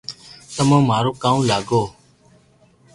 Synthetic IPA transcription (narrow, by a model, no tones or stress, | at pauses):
t̪əmãːmaːɾoːkaːmlaːɡoː